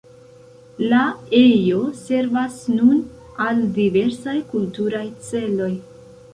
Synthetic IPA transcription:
lae̞jo̞se̞ɾvasnun | aldive̞ɾsajkultuɾajt͡se̞lo̞j

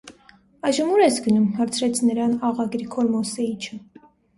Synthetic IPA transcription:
ɑjʒəmuɾɛsɡənumɦɑɾt͡sʰɾɛt͡sʰnəɾɑnɑʁɑɡɾikʰɔɾmɔsɛit͡ʃʰə

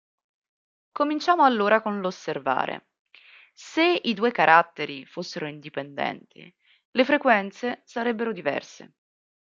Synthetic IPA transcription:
komint͡ʃaːmoalːoːɾakonlosːerva̰ːɾʔḛ | seid̪uːekaɾʔat̪ːeɾifosːeɾoind̪ipend̪ɛ̰nt̪ʰḭ | lefɾekwɛnt̪sesaɾɛbːeɾod̪ivɛ̰rsḛ

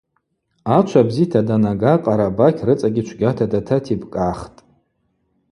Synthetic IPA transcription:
at͡ʃʷʰabzitʰadanaɡaqʼaɾabakʲʰrɨt͡sʼaɡʲɪt͡ʃʷʰɡʲatʰadatʰatʰibʼkʼaχtʼ

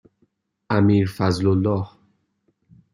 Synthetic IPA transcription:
ʔæmiːɾfæzlolːɒːh

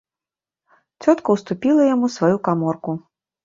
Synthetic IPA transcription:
t͡sʲɔt̪kɐwst̪upʲilˠɐjamusvajukamɔrku

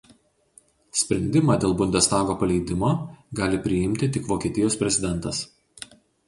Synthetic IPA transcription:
sʲpʲɾʲɛnʲd̪ʲɪmɑːd̪ʲeːlˠbʊnʲd̪ʲɛst̪ɑːɡoːpɐlʲɛɪd̪ʲɪmoːɡɑːlʲɪpʲɾʲɪɪmʲt̪ʲɪt̪ʲɪkʋoːkʲiɛːt̪ʲɪjoːspʲɾʲɛzʲɪd̪ʲɛnˑt̪ɐs

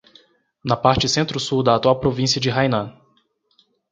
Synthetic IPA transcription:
nɐpaɾt͡ʃɪsẽnt̪ɾʊsuwd̪ɐat̪uawpɾovĩsiɐd͡ʒɪɦajnɐ̃

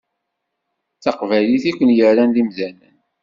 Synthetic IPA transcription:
t͡sɑqvæliθikʷənjəɾɾænlimzænə̰n

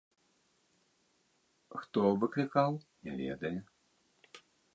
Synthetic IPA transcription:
xt̪ɔvɨklʲikawnʲavʲɛ̰d̪ɐjɛ

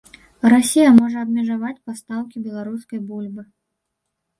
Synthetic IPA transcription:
rasʲijɐmɔʐɐːbmʲɛʐavat͡sʲpast̪awkʲibʲɛlˠaɾuskɐjbulʲbɨ

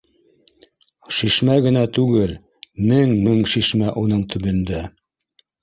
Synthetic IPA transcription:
ʃiʃmæɡɘ̆næt̪ʉɡɘl | mɘŋmɘŋʃiʃmæʔunɤɴt̪ʰɵ̆βɵ̆nd̪æ

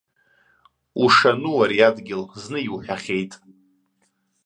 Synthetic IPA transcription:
uʂanuwaɾiadɡʲɪlznɨiwħʲᶣaχʲe̞jtʼ

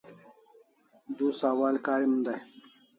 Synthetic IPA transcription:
d̪uːsaːwaːlkaːɾimənd̪aj

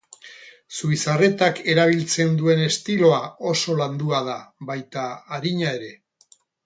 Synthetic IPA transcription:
suisare̞t̪ake̞ɾaβ̞ilt͡se̞nd̪ue̞ne̞st̪ilo̞ao̞so̞land̪uað̞aβajt̪aːɾiɲae̞ɾe̞

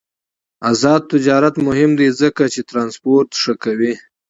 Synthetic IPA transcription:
azɑd̪̚t̪ɪd͡ʒɑɾat̪mʊhɪmd̪ezəkat͡ʃet̪ɾɑnspoɾt̪ʂəkawi

